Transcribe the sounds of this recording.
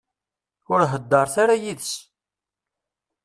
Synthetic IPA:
ʊɾɦəd̪ːɑɾˤθaɾajiðs

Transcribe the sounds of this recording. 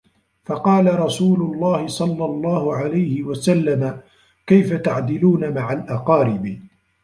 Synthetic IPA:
fɑqɑːlaɾˤɑsuːlʊlˤːɑːhɪsˤɑlːɑlˤːɑːhʊʕalajhɪwasalːama | kajfat̪aʕd̪ɪluːnamaʕalʔɑqɑːɾɪbɪ

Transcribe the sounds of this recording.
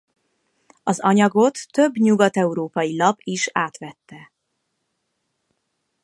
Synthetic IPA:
ɒzɒɲɒɡo̞t̪ːø̞bɲuɡɒt̪ɛuɾoːpɒjilɒpiʃaːt̪ʋɛt̪ːɛ

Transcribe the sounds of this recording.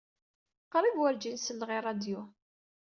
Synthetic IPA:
qɾˤivwæɾd͡ʒinsəlːʁirˤɑd̪jʊ

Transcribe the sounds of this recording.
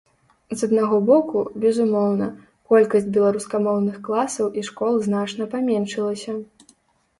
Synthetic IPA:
zɐd̪naɣɔbɔkubʲɛzumɔwnɐ | kɔlʲkɐsʲt͡sʲbʲɛlˠaɾuskɐmɔwnɨxklˠasɐwʔiʂkɔlˠznat͡ʂnɐpamʲɛnʂɨlˠɐsʲɐ

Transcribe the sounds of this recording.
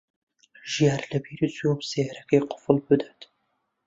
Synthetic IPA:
ʒijaːɾlɐbiːɾizjuːmseɾɐkejqʰʊ̥fɨlbɨd̪at̪

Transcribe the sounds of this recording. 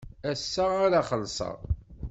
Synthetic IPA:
æsːaaɾaχəlsˤə̰ʁ

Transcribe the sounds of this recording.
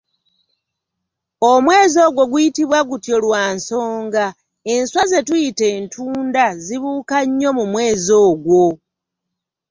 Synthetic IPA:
omwe̞ːzo̞ːɡwo̞ɡwujitiβwaɡutjo̞lwaːnso̞ːŋɡa | e̞nswaze̞tujite̞ːntʰuːndaziβuːkaɲːo̞mumwe̞ːzo̞ːɡwo̞

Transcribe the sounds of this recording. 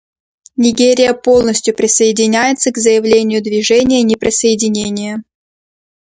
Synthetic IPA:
nʲɪɡʲeɾʲɪjəpo̞lˠnəsʲtʲjʊpɾʲɪsəɪdʲɪnʲæjɪt̪səɡzəjɪvlʲenʲɪjʊd̪vʲɪʐɛnʲɪjənʲɪpɾʲɪsəɪdʲɪnʲenʲɪjə

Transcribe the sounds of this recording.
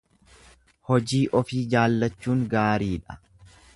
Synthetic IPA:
hɔd͡ʒiːʔɔfiːd͡ʒaːlːɐt͡ʃːuːŋɡaːɾiːᶑɐ̥

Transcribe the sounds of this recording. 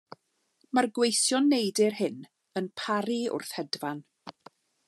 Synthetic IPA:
marɡwejθjɔnːejdɪrhɪn | ənpʰaɾiʊ̰rθhɛdvan

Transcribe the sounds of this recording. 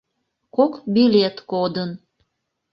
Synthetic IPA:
kokbilʲet̪kod̪ən

